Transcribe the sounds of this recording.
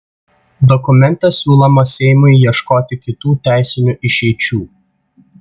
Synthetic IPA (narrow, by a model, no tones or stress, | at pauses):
d̪ɔkʊmʲɛnʲˑt̪ɛsʲuːlˠɔmɐsʲɛɪmʊɪːiɛʃkoːt̪ʲɪkʲɪt̪uːt̪ʲæˑɪsʲɪnʲuʔɪʃʲɛɪt͡ʃʲuː